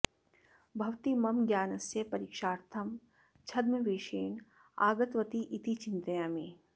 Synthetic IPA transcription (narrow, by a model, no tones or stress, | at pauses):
bʱɐʋt̪imɐmɡjaːnɐsjɐpɐɾiːkʃaːɾt̪ʰɐm | t͡ʃʰɐd̪mɐʋeːʃeːɳ | a̰ːɡɐt̪ʋɐt̪iʔit̪it͡ʃɪnt̪ɐjaːmiː